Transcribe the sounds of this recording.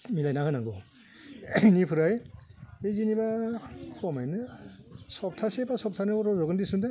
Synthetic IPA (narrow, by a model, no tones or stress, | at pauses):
milajnahɯnaŋɡɔ | nipʰɯɾajezinibakʰɔmajnɯ | sɔp̚tʰasebasɔp̚tʰanɯɔɾɔzɔɡɯndisɯnde